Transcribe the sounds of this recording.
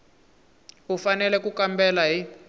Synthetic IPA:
ɦufanɛlɛkukambɛlaɦi

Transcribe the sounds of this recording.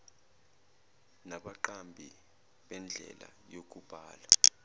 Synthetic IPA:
naɓaǃambʱi | ɓɛnd͡ɮʱɛ̰la̰ | jok̬ʼub̥ʱaːla

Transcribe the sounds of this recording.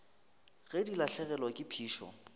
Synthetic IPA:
ɣɛdilaɬɛɣɛlɔkʼɪpʰiːʃɔ̰

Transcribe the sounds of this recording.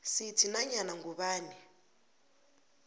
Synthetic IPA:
sitʰinaɲanaŋɡuβaːni

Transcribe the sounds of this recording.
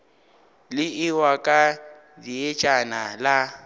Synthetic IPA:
lɪɪwakʼa | diet͡ʃʼanala

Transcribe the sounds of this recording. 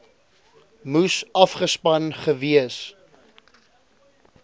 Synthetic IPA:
musɐfχəspɐnχəviəs

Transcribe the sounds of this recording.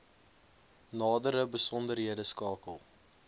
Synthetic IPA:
nɑːdəɾəbəsɔndərɦiədəskɑːkəlˠ

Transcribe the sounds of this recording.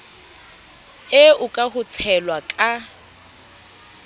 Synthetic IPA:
ɪʊkʼahʊt͡sʰɛlwakʼa

